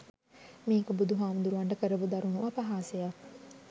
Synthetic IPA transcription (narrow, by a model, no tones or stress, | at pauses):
miːkobud̪uɦaːmund̪uɾuʋɐɳɖəkəɾəbud̪ɐɾunuʋɐpɐɦaːseja